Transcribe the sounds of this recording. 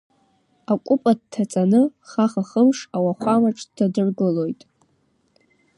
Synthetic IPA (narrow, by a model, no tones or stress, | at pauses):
akʷʼʊpʼad̚tʰat͡sʼanɨχaχaχəmʂawaχʷamaʈ͡ʂʼʰtʰadɨrɡɨlo̞jtʼ